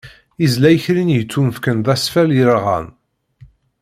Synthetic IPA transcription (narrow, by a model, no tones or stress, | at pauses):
izlæjəçɾinjət͡sːumfkənðˤæsfæljəɾʁæ̰n